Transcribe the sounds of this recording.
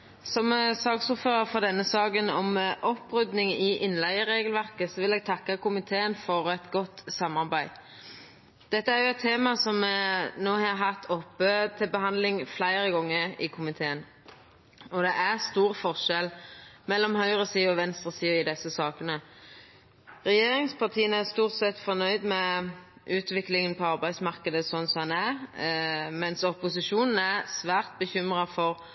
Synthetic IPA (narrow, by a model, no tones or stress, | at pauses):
sɔmsɑːksuːføːʁəfɔʁd̪ɛnːəsɑːkənɔmʔɔpːɾʉd̪nɪŋɪʔɪnːlæɪəɾeːɡəlʋæʁkəsɔʋɪlɛːɡ̚t̪ʰɑkːɑkʊmɪt̪ʰeːənfɔʁɛt̪ɡɔt̪ːsɑmɑʁbæɪ | d̪̥ɛt̪ːəæɾjʊɛt̪ʰːeːmɑsɔmːɛnoːhɑɑɾɦɑt̪ʰɔpːət̪ʰɪlbəhɑnd̪lɪŋflæɪɾəɡɔŋːəɪkʰʊmɪt̪ʰeːən | ɔd̪ɛʔæʁst̪uːʁəfɔʁʂɛlmɛlːɔmhœʏʁəsiːɔʋɛnst̪ʁəsiːəɪd̪ɛsːəsɑːkənə | ʁɛjeːɾɪŋspʰɑʁt̪ʰiːənæst̪uːʁt̪sɛt̪ːfɔnœʏd̪mɛ | ʔʉːt̪ʋɪklɪŋənpʰɔɑʁbæɪsmɑʁkəd̪əsɔnːsɔmhɑnæʁ | mɛnsɔpʊsɪʃuːnn̩æʁsʋæːʁt̪̚bəçʏmʁɑfɔʁ